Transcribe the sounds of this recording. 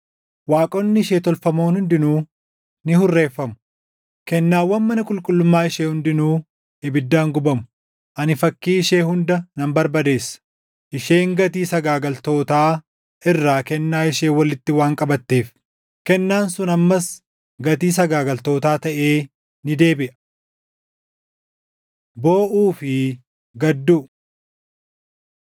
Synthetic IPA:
waːkʼɔnːɪɪʃeːt̪ɔlfɐmoːnhʊnd̪ɪnuː | nɪhʊrːe̞ːfːɐmʊ | kɛnːaːwːɐnmɐnɐkʼʊlkʼʊlːʊmːaːɪʃeːhʊnd̪ɪnuː | ɛbɪd̪ːaːŋɡʊbɐmʊ̥ | ʔɐnɪfɐkːiːɪʃe̞ːhʊnd̪ɐnɐmbɐɾbɐd̪e̞ːsːɐ̥ | ʔɪʃe̞ːŋɡɐt̪iːsɐɡaːɡɐlt̪o̞ːt̪aː | ʔɪrːaːkɛnːaːɪʃeːwɐlɪt̪ːɪwaːŋkʼɐbɐt̪ːe̞ːf | kɛnːaːnsʊnɐmːɐs | ɡɐt̪iːs̬ɐɡaːɡɐlt̪o̞ːt̪aːt̪ɐʔe̞ː | nɪd̪e̞ːbɪʔɐ̥ | bo̞ːʔuːfɪ | ɡɐd̪ːuː

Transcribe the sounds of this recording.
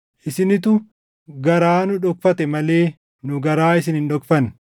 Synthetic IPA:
ʔɪsɪnɪt̪ʊ | ɡɐɾaːnʊᶑɔk̚fɐt̪ɛmɐle̞ː | nʊɡɐɾaːɪsɪnhɪnᶑɔkfɐn

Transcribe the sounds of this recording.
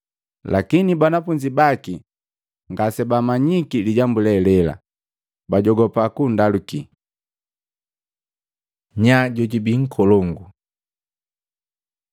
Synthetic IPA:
lakinibanafuɲd͡ʒibaki | ŋɡasɛbamaɲikiliɟambulɛlɛla̰ | baɟɔɡɔpakundaluki | ɲaɟɔɟibiŋ̩kʰɔlɔŋɡu

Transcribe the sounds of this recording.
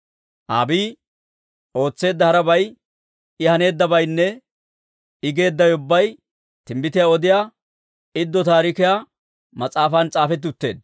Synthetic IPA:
ʔaːbiː | ʔo̞ːt͡sːe̞ːd̪ːɐhɐɾɐbɐj | ɪhɐne̞ːd̪ːɐbɐjnːɛ | ɪɡe̞ːd̪ːɐjʊbːɐj | t̪ɪmbɪt̪ɪjaɔd̪ɪjaː | ɪd̪ːɔt̪aːɾɪkɪjaː | mɐt͡sʼaːfɐnt͡sʼaːfɛt̪̬ːɪʊt̪ːe̞ːd̪

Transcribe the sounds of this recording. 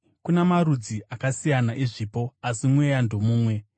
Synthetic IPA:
kunamaɾud͡ziʔakasijanaʔiʐiːpo̞asimwejandʱomuːmwe̞

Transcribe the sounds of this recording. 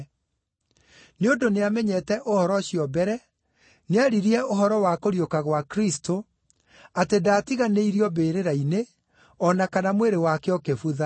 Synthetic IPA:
neondoneamɛɲɛtɛʔohɔɾɔɕiɔbɛɾɛ | neaɾiɾiɛoɦɔɾɔwakoɾiokaɣwakɾisto | atedaːtiɣaneiɾiɔbeːɾeɾaine | ɔnakanamweɾewakeɔkefuða

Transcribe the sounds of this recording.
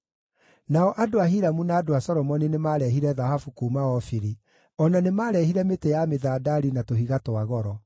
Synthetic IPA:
naɔʔadoaɦiɾamunaːdoasɔɾɔmɔninemaɾɛɦiɾɛðahafukuːmaɔfiɾi | ɔnanemaːɾɛhiɾɛmetejameðaːdaɾinatoɦiɣatwaɣɔɾɔ

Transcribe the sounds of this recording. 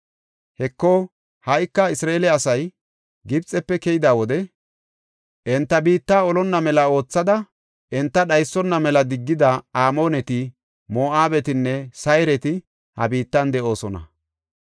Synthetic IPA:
hɛkːɔ | hɐjkːɐɪsɾaelɛɐsɐj | ɡɪbt͡sʼːɛpːɛkɛjɪd̪aːwɔd̪ɛ | ʔɛnt̪ːɐbiːt̪ːaːɔlɔnːɐmɛlɐo̞ːt͡sːɐd̪ɐ | ɛnt̪ːɐɗɐjsːɔnːɐmɛlɐd̪ɪɡːɪd̪ɐaːmo̞ːnɛt̪ɪ | mo̞ːʔaːbɛt̪ɪnːɛsɐjɾɛt̪ɪ | hɐ̰biːt̪ːɐnd̪ɛʔo̞ːsɔnɐ̰

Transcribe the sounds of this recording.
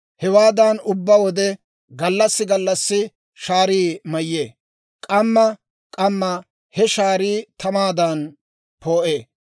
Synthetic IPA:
hɛwaːd̪ɐnʊbːɐwɔd̪ɛ | ɡɐlːɐsːɪɡɐlːɐsːɪ | ʃaːɾiːmɐjːeː | kʼɐmːɐ | kʼɐmːɐ | hɛʃaːɾiːt̪ɐmaːd̪ɐn | po̞ːʔeː

